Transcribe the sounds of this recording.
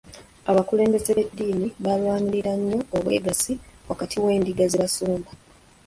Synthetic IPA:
aβakule̞ːmbe̞ze̞βe̞dːiːmiβalwaːɲiɾiɾaɲːo̞ːβwe̞̰ːɡasiwakatʰiwe̞ːndiɡaziβasuːmba

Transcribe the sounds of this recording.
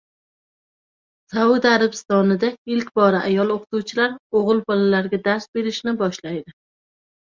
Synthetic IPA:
sawʊd̪aɾabɪst̪ɒnɪd̪aɪlkʲbɒɾaʔajɒlˠoqʰʊ̥t̪uwt͡ʃʰɪlaɾoʁɨlˠpʰɒlalaɾɡʲad̪aɾsbe̞ɾɪʃnɪbɒʃlajd̪ɪ

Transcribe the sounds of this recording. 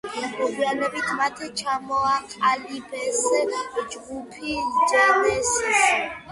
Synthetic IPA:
mɔɡianɛbit̪ʰmat̪ʰɛt͡ʃʰamɔaqʼalibɛsd͡ʒɡupʰit͡ʃʼanɛs

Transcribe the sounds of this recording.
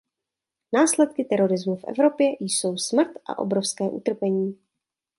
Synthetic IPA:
naːslɛt̪̚kɪt̪ɛɾo̞ɾɪzmufʔɛ̰vɾo̞pjɛjso̞wsmr̩t̪ʔa̰ʔo̞̰bɾofskɛːʔṵt̪r̩pɛɲiː

